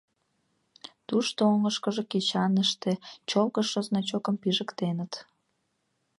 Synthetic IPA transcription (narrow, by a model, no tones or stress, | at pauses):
t̪uʃt̪ooŋəʃkəʒeket͡ɕɑnəʃt̪et͡ɕolɣəʃoznɑt͡ɕokəmpiʒəkt̪enət̪